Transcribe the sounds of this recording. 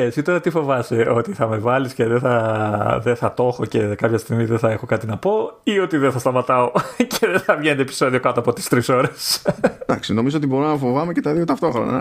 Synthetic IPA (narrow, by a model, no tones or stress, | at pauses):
esit̪o̞ɾɐt̪ifo̞vɐst̪e̞ʔo̞t̪iθɐme̞vɐlisceðeθɐðeθɐt̪o̞xo̞ce̞kɐpçɐst̪iɣmiðeθɐe̞xo̞kɐt̪inɐpo̞io̞t̪iðeθɐst̪ɐmɐt̪ɐo̞ceðeθɐvʝenet̪̬epi̥so̞ðio̞kɐt̪oɐpo̞t̪i̥st̪ɾiso̞ɾesd̪ɐksino̞mizoot̪ibo̞ɾumnɐfo̞vɐmecet̪ɐðio̞t̪ɐft̪o̞xɾo̞̰nɐ̰